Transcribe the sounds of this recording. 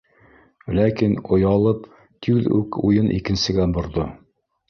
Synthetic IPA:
lækinŏjɑlˠɤp | t̪iðʉ̰kujɤnʔḭkɘ̆nsɘ̆ɡæbŏɾðo

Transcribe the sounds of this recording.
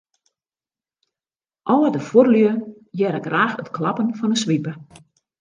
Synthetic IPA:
ʔɔwədəforlə | jɛɾəɡraːxətklɑpənfɔnəsʋipə

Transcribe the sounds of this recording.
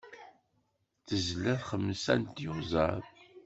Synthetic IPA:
θəzlːæθχəmːsænt̪jʊza̰ð

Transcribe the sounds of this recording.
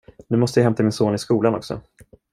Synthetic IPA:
nʉ̟ːmɔst̪əjaɦɛmt̪amɪnsoːnɪskuːlanɔksɔ̰

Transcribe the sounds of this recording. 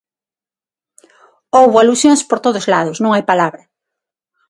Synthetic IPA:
owβoalusjoŋspoɾt̪oðʊzlaðʊsnũŋajpalaβɾɐ

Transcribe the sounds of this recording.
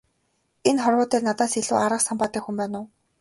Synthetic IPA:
enχɔrwʊːt̪eːrnat̪aːseɮṵːaɾə̆qsampaːt̪iːkxumpæːnʊː

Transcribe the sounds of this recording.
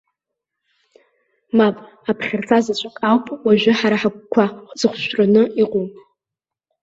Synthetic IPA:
mapʼ | apʰχʲɪrt͡sʰazat͡ɕʷʼakʼawpʼwaʒʷᶣɪħaɾaħak̚ʷkʷʰaχʷd͡zɨχʷʃʷranɨiqʼum

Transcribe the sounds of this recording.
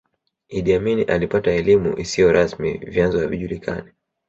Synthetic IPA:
iɗiaminiʔalipataɛlimṵʔisijɔɾʔasmḭvjanzɔhaviʄulikʰa̰ni

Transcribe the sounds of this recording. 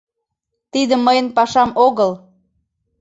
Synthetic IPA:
t̪id̪əməjənpɑʃɑmoɣəl

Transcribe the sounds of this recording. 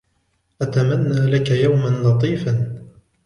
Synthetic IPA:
ʔat̪amanːaːlakajawmanlɑt̪ˤiːfan

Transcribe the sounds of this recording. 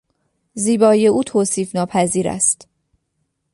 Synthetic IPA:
ziːbɒːije̞uːt̪ʰoːsiːfnɒːpʰæziːɾæ̰st̪

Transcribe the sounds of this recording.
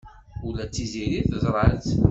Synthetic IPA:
ulæt͡sːiziɾiθəzˤɾˤɑt͡s

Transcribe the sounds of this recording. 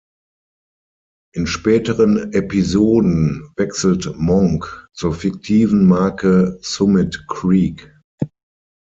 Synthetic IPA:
ʔɪnʃpɛːtəʁənepizoːdn̩vɛksl̩tmɔŋkt͡suːɐfɪk̚tʰiːvn̩maɐkəsʊmɪtkʁiːk

